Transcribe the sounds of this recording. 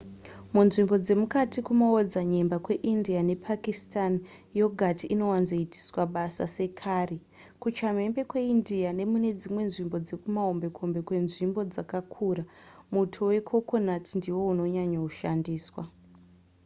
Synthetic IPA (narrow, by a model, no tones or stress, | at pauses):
munʐimbo̞d͡ze̞mukatikumaod͡zaɲe̞mbakwe̞ʔindiane̞pʰakistan | jo̞ɡʱatiːno̞wanzo̞itʰi̥swaɓasa̰se̞kʰare | kut͡ʃame̞mbe̞kwe̞indiane̞mune̞d͡zimwe̞nʐimbo̞d͡ze̞kumaombe̞kʰombe̞kwe̞nʐimbo̞d͡zakakʰuramutʰowe̞kʰo̞ko̞natindiwo̞uno̞ɲaɲauʃandiːswa